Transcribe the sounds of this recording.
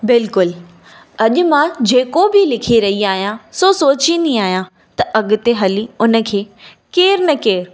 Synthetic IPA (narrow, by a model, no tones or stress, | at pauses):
bɪlkʊl | ɐʄʊ̆mãd͡ʑeːkobɪlɪkʰiɾɐɦiaːɦijãsoːsoːt͡ɕind̪iaːɦijã | t̪ɐʔɐɠʊ̆t̪eɦɐliʊnə̆kʰeː | keːɾnɐkeːɾ